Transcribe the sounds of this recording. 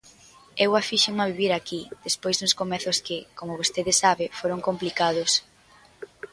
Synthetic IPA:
ewafiʃemaβiβiɾakiðespojzðʊskomɛθʊskɪkomʊβost̪eðɪsaβɪfoɾoŋkomplikað̞ʊs

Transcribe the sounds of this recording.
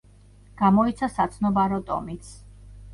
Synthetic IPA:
ɡ̥amɔit̪sʰasat̪sʰnɔbaɾɔt̪ʼɔ̰mit̪sʰ

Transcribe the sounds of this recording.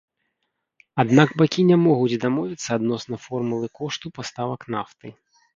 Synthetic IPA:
ad̪naɡbakʲinʲamɔɣud͡zʲd̪amɔvʲit̪sːɐːd̪nɔsnɐfɔrmulˠɨkɔʂt̪upast̪avɐknaft̪ɨ

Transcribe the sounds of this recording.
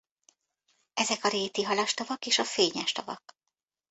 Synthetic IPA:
ɛzɛkɒɾeːt̪iɦɒlɒʃt̪ovɒkeːʃɒfeːɲɛʃt̪o̰vɒ̰k

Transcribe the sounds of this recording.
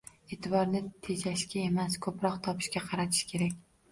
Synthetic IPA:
et̪ʰɪbɒɾnɪt̪ʰe̞d͡ʒaʃkʲae̞maskʰɵpɾɒqt̪ʰɒpʰɪ̥ʃkʲaqʰɑɾat̪ʰɪ̥ʃkʲʰe̞ɾakʲ

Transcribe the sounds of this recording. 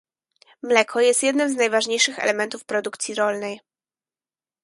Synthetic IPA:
mlɛkʰɔjɛst̪jɛd̪nɘmznajvaʐɲejʂɘxɛ̰lɛmɛnt̪ufpɾɔd̪ukt̪sʲiɾɔlnɛj

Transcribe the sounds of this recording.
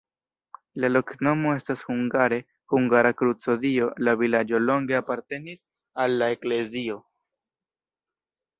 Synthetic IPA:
lalo̞kno̞mo̞e̞stashuŋɡaɾe̞ | huŋɡaɾakɾut͡so̞dio̞lavilad͡ʒo̞lo̞ŋɡe̞apaɾte̞nis | alːaekle̞zio̞

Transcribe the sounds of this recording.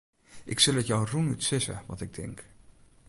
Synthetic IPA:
ʔɪksɵlˠətjɔwrunytsɪsə̰ʋɑ̰tɪɡ̚dɪ̰ŋk

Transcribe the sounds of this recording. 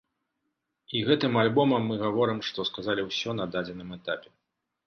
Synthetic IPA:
iɣɛt̪ɨmalʲbɔmɐmːɨɣavɔɾɨmʂt̪ɔskazalʲiwsʲɔn̪ɐd̪ad͡zʲɛnɨmɛt̪apʲɛ̥

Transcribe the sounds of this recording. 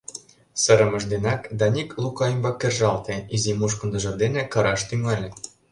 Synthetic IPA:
sɤ̆ɾɤ̆mɤ̆ʒd̪enɑkd̪ɑnʲiklˠukɑjimbɑkʲːĕrʒɑlˠt̪eizimuʃ̬kɤ̆nd̪ɤ̆ʒɤ̆rd̪enĕkɤ̆ɾɑʃt̪yŋɑlʲĕ

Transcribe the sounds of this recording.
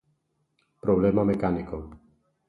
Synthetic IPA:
pɾɔblɛːmamɛkanikɔm

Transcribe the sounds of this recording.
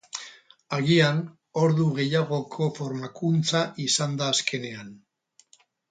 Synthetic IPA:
aɣian | o̞ɾðuɣ̞e̞jaɣ̞o̞kʰo̞fo̞ɾmakunt͡saʔisand̪aːskʰe̞ne̞an

